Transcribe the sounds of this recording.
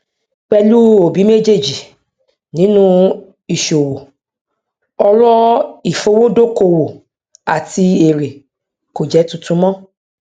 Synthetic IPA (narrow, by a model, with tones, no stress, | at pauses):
k͡pɛ˧lu˦o˨bi˨˦me˦d͡ʒe˦˨d͡ʒi˨ | nĩ˨˦nũ˦ | i˨ʃo˨wo˨ | ɔ˧ɾɔ˦i˨fo˧˦wo˦do˦ko˧˨wo˨ | a˨ti˧e˨ɾe˨ | ko˨d͡ʒɛ˨˦tũ˧tũ˧˦mɔ̃˦